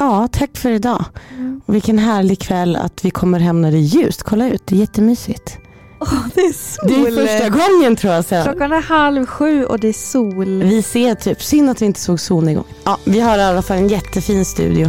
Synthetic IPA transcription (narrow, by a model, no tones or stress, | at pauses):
ʔɑːt̪ʰakːfœɾɪd̪ɑ̰ːɔvɪkːənɦæːɭɪɡkʰvɛlːa̰t̪vɪkʰɔmːəɾɦɛmnæɾd̪ɛjʉ̟ːst̪kʰɔlːaʉ̟ːt̪̚d̪ɛːjɛt̪ːəmyːsɪt̪ | d̪ɛsd̪ɛlfœʂʈaɡɔŋːənt̪ʰɾuːjasɛlɔkːanhalvɧʉ̟ːɔ̰d̪ɛæsuːlvɪseːʈʰyːpsʏnːat̪vɪɪnt̪ə̥soːɡsuːlnɪɡɔ̰ŋːɑːvɪɦaɾɪalːafalːɛnjɛt̪ʰːəfiːnst̪ʉ̟̰ːd̪ɪʊ